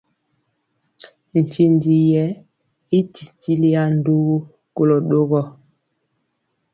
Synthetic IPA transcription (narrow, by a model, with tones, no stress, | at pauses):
n̩˨t͡ʃi˦ndi˦jɛ˦ | i˦ti˨ti˦li˦a˦n̩˦˨do˦ | ko˨lɔ˨ɗo˦ɣɔ˦